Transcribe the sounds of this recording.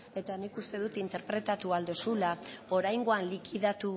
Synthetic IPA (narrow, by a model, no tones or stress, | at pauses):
e̞t̪anikust̪e̞ðut̪int̪e̞ɾpɾe̞t̪at̪uald̪osulao̞ɾajŋɡo̞anlikiðat̪u